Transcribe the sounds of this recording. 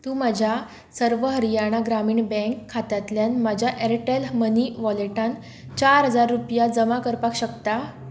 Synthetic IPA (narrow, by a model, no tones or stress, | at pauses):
t̪ũːmad͡ʑʱja | səɾʋəɦəɾijaɽ̃aɡɾamiːɳbɛ̃ŋkʰːat̪jat̪ljanmad͡ʑʱjaʔeɾʈelməniʋɔleʈãn | t͡ɕaɾɦəd͡zaɾːupjad͡zəmakəɾpakɕəkt̪a